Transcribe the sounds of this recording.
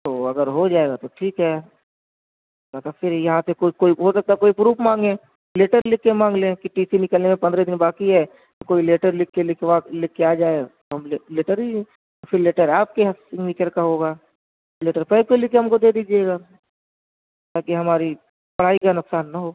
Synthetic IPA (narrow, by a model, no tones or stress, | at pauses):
t̪oːɐɡəɾɦod͡ʒaːeɡat̪oʈʰiːkɦɛː | mɐt̪ɐfʰɪɾjɐɦãsekoːikoːiɦosɐk̚t̪akoːipɾuːpmãːŋɡẽː | leːʈəɾlɪkːemãːŋɡlẽkiʈiːsinɪkəlnemẽpɐnd̪ɾed̪ɪnbaːkiɦɛ | t̪okoːileːʈəɾlɪkːelɪkʋalɪkːeaːd͡ʒaːeɡt̪oɦɐmleleːʈəɾɦĩ | ofʰɪɾleːʈəɾaːp̚keɦsɪ̃ŋʋɪt͡ʃəɾkaɦoːɡaː | leːʈəɾpɛikoilɪkeɦɐmkod̪eːd̪iːd͡ʒaeːɡaː | t̪aːkiɦɐmaːɾi | pɐɽ̤aːikanʊksaːnːaɦoː